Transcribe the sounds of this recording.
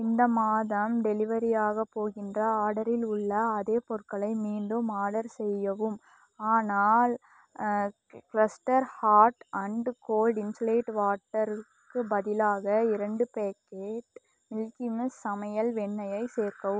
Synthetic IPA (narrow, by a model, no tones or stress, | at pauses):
ɪnd̪ɐmaːðɐmɖɛlɪʋɐɾijaːɣɐpoːɣɪndrɐaːɽɐɾɪlʊɭːɐːðeːpɔɾkɐɭɐɪmiːɳɖɯmaːɽɐɾsɛjːɐʋɯm | aːnaːl | kɪlɐsʈɐɾhaːʈɐɳɖkoːlɖɪnsoleːʈʋaːʈːɐɾɯkːɯbɐðɪlaːɣɐɪɾɐɳɖɯpeːkeːʈ | mɪlkɪmɐsːɐmɐjɐlʋɛɳːɐjɐɪseːɾkɐʋɯmm